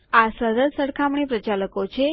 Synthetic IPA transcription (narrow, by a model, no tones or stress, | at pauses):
asəɾəd̪səɽkʰamɳ̃ipɾət͡ʃaləkot͡ʃʰe